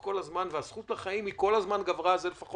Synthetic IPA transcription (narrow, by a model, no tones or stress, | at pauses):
ko̞lazmanveasχut̪laχaimiko̞lazmanɡavʁazelefaχo